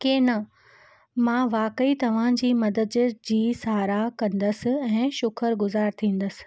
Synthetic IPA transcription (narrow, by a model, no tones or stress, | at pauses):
keːnɐ | mãːʋaːkəit̪ɐʋ̤ãd͡ʑiːmɐd̪əd̪d͡ʑiːsaːɾakɐ̃nd̪əsɪ̆ɛ̃ːʃʊkʰəɾɡʊzaːɾt̪ʰĩːn̆d̪əsɪ̥̆